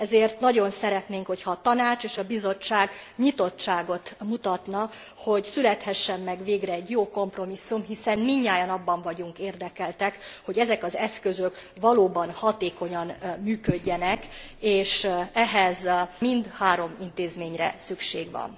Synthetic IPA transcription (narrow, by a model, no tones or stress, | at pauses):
ɛzeːrt̪nɒɟo̞nsɛɾɛt̪neːŋkho̞chɒːt̪ɒnaːt͡ʃeːʃɒbizo̞t͡ʃːaːɡɲit̪o̞t͡ʃt͡ʃːaːɡo̞t̪mut̪ɒt̪nɒ | ho̞ɟsylɛt̪hɛʃːɛmːɛɡveːɡrɛːɟjoːko̞mpro̞misːumɦisɛnmiɲːaːjɒnɒbːɒɱvɒɟuŋkeːrd̪ɛkɛlt̪ɛkho̞ɟɛzɛkɒzɛskøzøk | vɒloːbɒnhɒt̪eːko̞ɲɒnmyːkøɟːɛnɛk | eːʃɛɦɛzmind̪haːɾo̞mint̪eːzmeːɲrɛ̰sykʃeːɡʋɒ̰n